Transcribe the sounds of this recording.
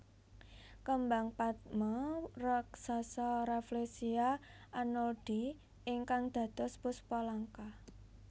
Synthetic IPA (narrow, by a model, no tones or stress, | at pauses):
kəmbaŋpat̪̚mɔraksasɔɾaflesiaanɔld̪̥i | ʔɪŋkaŋd̪̥ä̤t̪ʊspʊspolaŋka